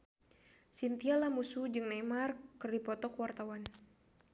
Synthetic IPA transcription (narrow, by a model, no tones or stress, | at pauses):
sint̪ialamusud͡ʒɨŋnamarkɨrdipɔt̪ɔkəwart̪awan